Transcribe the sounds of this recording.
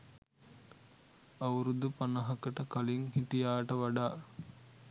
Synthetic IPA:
ɐwɾud̪upɐnɐɦɐkəʈəkɐliŋhiʈijaːʈəʋɐɖaː

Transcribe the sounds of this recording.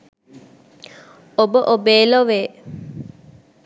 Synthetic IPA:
obəʔobeːloʋeː

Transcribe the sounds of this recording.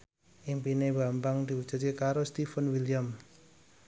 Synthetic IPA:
impinebambaŋd̪iud͡ʒə̤t̪̚kekaɾost̪ifənwilijam

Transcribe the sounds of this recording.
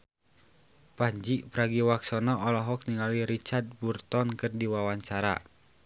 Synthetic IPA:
paɲd͡ʒiʔpɾaɡiwaksɔnɔɔlɔɦɔk̚niŋaliɾit͡ʃard̪̚burt̪ɔnkɨrdiwawaɲt͡ʃaɾa̰

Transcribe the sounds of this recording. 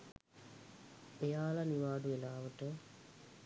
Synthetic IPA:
ejaːlɐniʋaːɖuelaːʋɐʈːɨ

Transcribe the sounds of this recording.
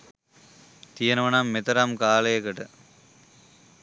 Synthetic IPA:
t̪ijɐnɐʋɐnaːmːet̪ɐɾaːmkaːlɐjɐkɐʈɐ

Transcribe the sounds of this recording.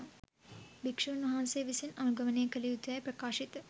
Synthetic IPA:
bikʂuːnʋɐɦanseːʋisinɐnuɡɐʋɐnejkəlijut̪uʋɐjprɐkaːʃit̪ə

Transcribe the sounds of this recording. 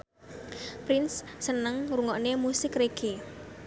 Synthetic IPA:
pɾɪnsːənəŋɾuŋɔʔnemusɪkɾeɡ̥e

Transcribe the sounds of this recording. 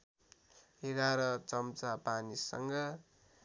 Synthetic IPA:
eɡaɾʌt͡sʌmt͡sapanisʌ̰ŋɡʌ

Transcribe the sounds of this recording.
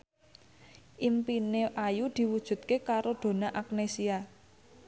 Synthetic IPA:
ʔimpineʔajud̪̥i̤wud̥ʒ̥ṳt̪̚kekaɾod̪̥o̤naʔak̚nesia

